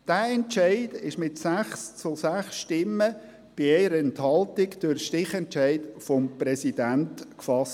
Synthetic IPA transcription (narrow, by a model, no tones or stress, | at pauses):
d̥æːɛnt͡ʃaɪd̥ɪʃmɪtsæχst͡sʊsæχsʃtɪmːə | b̥iɛɪɾəɛnthɑltɪɡd̥øɾʃtɪχɛnt͡ʃæɪd̥fɔmprɛsidæntkfɑst